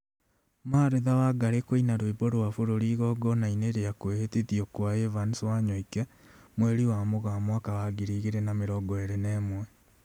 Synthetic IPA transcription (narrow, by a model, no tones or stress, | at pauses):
maːɾeðawaɡaɾekoinaɾwiboɾwafoɾoɾiːɣɔɡɔnaineɾeakweheteðiɔkwaevanswaɲoikɛ | mweɾiwamoɣamwakawaɡiɾiːɣeɾɛnameɾɔɡɔeɾɛnɛːmwɛ